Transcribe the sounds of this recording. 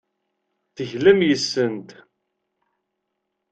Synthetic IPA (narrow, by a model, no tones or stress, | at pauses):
θəʝlæmjəsːənt̪